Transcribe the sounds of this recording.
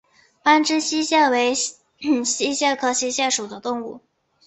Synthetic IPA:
pa˥nʈ͡ʂɻ̩˥ɕi˥ɕjɛ˥˩we˧˥ɪ | ɕi˥ɕjɛ˥˩kʰɤ˥ɕi˥ɕjɛ˥˩ʂu˨˩d̪ə˦t̪ʊ˥˧ŋu˥˩

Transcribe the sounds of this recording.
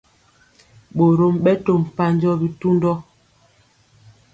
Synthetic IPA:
ɓo˨ɾo˦mɓɛ˦to˦˨m̩˨pa˦ɲd͡ʒɔ˦bi˦tu˦ndɔ˦

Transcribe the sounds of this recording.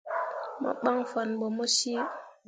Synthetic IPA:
ma̰˦ɓa˦ŋfa˨nbɔ˨mo˦si˦

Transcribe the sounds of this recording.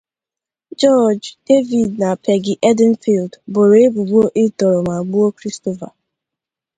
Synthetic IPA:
d͡ʒɔ˦d͡ʒd̥e˦vi˨d̚na˨pʰɛ˨ɡɪ˦ʔɛ˦dɪ˦n̩˦fi˨ldbo˨ɾe˨e˦bu˨ɡ͡bo˦ʔɪ˦tɔ˨ɾɔ˨ma˨ɡ͡bu˦o˦kɾi˦sto˨va̰˨

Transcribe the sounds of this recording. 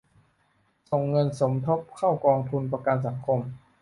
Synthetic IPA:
so˨˩ŋːɤ˧nso˩˦mt̪ʰo˦˥p̚kʰa˥˩wkɔː˧ŋt̪ʰu˧np̬a˧ka˧ns̬a˩˦ŋkʰo˧m

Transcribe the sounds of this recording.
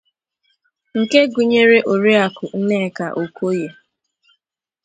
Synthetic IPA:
ŋ̩˨ke˦ɡʊ˨ɲe˦ɾe˦ʔo˨ɾi˦a˨kʊ˨n̩˦ne˦˨ka˨ʔo˨kʷo˦je˨

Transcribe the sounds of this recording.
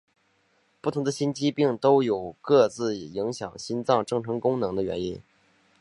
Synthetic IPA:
pu˥˩t̪ʰʊ˧˥ŋd̪ə˧ɕi˥nt͡ɕi˥pi˥˩ŋt̪o˥ʊjo˨˩ʊkɤ˥˧t͡sɹ̩˥˩˨i˧˥ŋɕjɑ̰˨˩ŋɕi˥nt͡sɑ˥˩ŋʈ͡ʂɤ˥˩ŋʈ͡ʂʰɤ˧˥ŋkʊ˥ŋnɤ˧˥ŋd̪ə˧ɥɛ̰˧˥nḭ˥n

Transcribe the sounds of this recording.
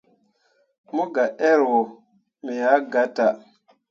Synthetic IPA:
mo˦ɡa˨ʔɛ˦ɾwo˨ | mi˨ja˨˦ɡa˨˦ta˨

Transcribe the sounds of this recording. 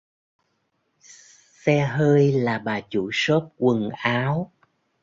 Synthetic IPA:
sɛ˧ɦəː˧jlaː˨˩ɓaː˨˩t͡ɕu˧˩˦so˦˥p̚kwɨ˨˩ŋʔaː˨˦w

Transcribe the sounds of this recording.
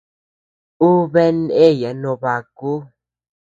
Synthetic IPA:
u˦βɛ˦ne˦˨ja˨˦nõ˧˨ba˨ku˦

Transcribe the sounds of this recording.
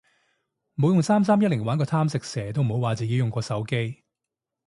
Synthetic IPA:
mo˨˥wjʊ˨ŋsaː˥ms̬aː˥mjɐ˥t̚lɪ˨˩ŋwaː˨˥nkɔː˧t̪ʰaː˥msɪ˨k̚sɛː˨˩t̪o˥wm̩˨ho˨˥waː˨˩t͡siː˨˩ji˧wjʊ˨ŋkʷɔː˧sɐ˨˥wke˥j

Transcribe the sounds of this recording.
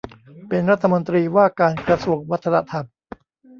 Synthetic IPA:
pe˧nɾa˦˥t̪ʰːa˧mo˧nt̪ɾiː˧waː˥˩kaː˧nkɾa˧su˨˩əŋwa˦˥t̪ʰːa˧na˧˩t̪ʰa˧m

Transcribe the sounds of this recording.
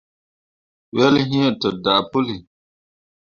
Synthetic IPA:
wɛ˦lɦĩ˦ɛ˨tə˨da˨pʊ˦li˨

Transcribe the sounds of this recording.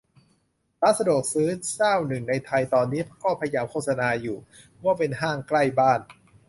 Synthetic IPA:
ɾaː˦˥t̪̚sa˧du˨˩k̚sɯː˦˥nsaː˥˩wnɯ˨˩ŋna˧jt̪ʰa˧jt̪ɔː˧nːiː˦˥t̪kɔː˥˩pʰa˧ja˧jaː˧mkʰoː˥˩t̪̚sa˧naː˧juː˨˩ | waː˥˩pe˧nɦaː˥˩ŋkla˥˩jbaː˥˩n

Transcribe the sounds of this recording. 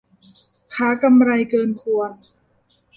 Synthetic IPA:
kʰaː˩˦˥ka˧mɾa˧jkɤː˧nkʰu˧ən

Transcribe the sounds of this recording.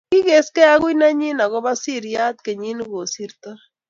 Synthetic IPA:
ki˦ɣe˦skɛ˦a˦ɣwi˦na˦ɲi˦na˨ɣɔ˦βa˦si˦˨ɾja˦t̪̚ke˨ɲi˦n˦ɣo˨si˦ɾt̪ɔ˦

